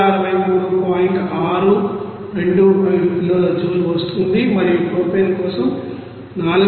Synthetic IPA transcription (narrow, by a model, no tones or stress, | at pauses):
ɐɾɐʋɐjmuːɽuupaːjiɳʈaːɾu | ɾe̞ɳɖuʈloːɾɐd͡ʒuːluʋɐst̪und̪imɐɾijpɾoːpenkɔːsɐm | naːlu